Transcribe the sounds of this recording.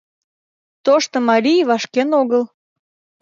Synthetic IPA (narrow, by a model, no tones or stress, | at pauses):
t̪oʃt̪ŏmɑɾʲijβɑʃkenoɣəl